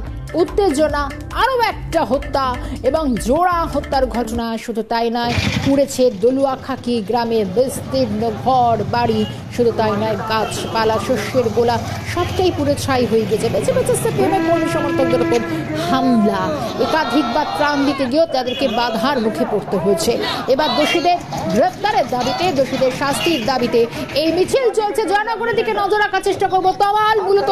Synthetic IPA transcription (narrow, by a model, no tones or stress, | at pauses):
ut̪ːed͡ʑona | aɾoɛk̚ʈaɦot̪ːaeboŋd͡ʑoɽaɦot̪ːaɾɡʱɔʈonaʃud̪ʱut̪ajnɔepuɽet͡ɕʰed̪oluakʰakiɡɾamebest̪iɾnoɡʱɔɽbaɽi | ʃud̪ʱut̪ajnɔekat͡ɕʰpalaʃoʃːeɾbolaʃat̪kajpuɾet͡ɕʰajɦoeɡiet͡ɕʰebed͡ʑebet͡ɕesepiemeɾkoɾmiʃɔmoɾt̪ʰonkeɾokom | hamla | ekad̪ʱikbad̪̚pɾand̪it̪eɡiot̪ad̪eɾkebad̪ʱaɾmukʰepoɾt̪eɦoet͡ɕʰeebaɾd̪oʃid̪eɾɡɾefʰt̪aɾeɾd̪abit̪ed̪oʃid̪eɾʃast̪ʰiɾd̪abit̪eejmit͡ɕʰilt͡ɕolt͡ɕʰed͡ʑanakoɾed̪ikenɔd͡ʑoɾakaɾt͡ɕeʃʈakoɾbot̪ɔbalmulot̪o